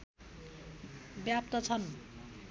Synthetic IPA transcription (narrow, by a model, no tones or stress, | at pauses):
bjap̚t̪ʌt͡sʰʌn